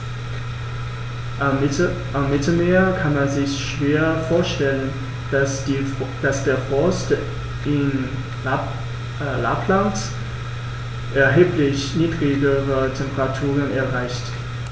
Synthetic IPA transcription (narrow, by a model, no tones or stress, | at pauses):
ʔamːɪtl̩meːɐkʰanmanzɪçʃv̥eːɐfoːɐʃtɛlən | d̥asd̥eːɐfɔst | ʔɪn | la̰pʰlant | ʔɛɐɦeːpʰlɪçniːdʁɪɡəʁətʰɛmpəʁatʰuːʁənɛɐʁaɪçt